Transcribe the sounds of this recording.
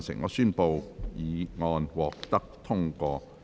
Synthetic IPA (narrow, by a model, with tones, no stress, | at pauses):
nsɪ̰˨˩ŋɔ̰ː˧syː˥npo˧wjiː˨˧ŋɔː˧nwɔː˨k̚t̪ɐ˥k̚t̪ʰʊ˥ŋkʷɔː˧